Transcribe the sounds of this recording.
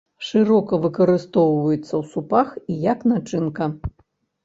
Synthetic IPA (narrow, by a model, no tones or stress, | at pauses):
ʂɨɾɔkɐvɨkɐɾɨst̪ɔwvɐjɛt̪sːɐwsupaxijɐknat͡ʂɨnkɐ